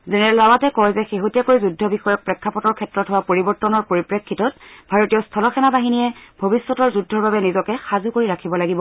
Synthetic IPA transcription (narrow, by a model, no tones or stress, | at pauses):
zɛnɛɔlawatɛkɔɹɛzɛxeɦutijakoɹizudʱːɔbixɔjɔk̚pɹɛkʰːapɔtɔɹkʰɛtɹɔtɦʊwapoɹibɔɹtɔnɔɹpoɹipɹekʰːitɔt̚bʱaɹotijɔstʰɔlɔxʰɛnabaɦinijɛbʱobisːɔtɔɹzudʱɔɹbabɛnizɔkɛxazukoɹiɹakʰibɔlaɡibɔ